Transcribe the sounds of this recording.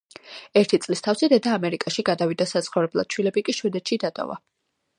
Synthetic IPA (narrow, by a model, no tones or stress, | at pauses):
ɛɾt̪ʰit̪sʼlist̪ʰafsɛd̪ɛd̪aːmɛɾikʼaʃiɡad̪avid̪asat̪sʰχɔvɾɛblˠa̰d̪̥̚t͡ʃʰwilɛbikʼiʃwɛd̪ɛt̪ʃid̪at̪ʼɔ̰va̰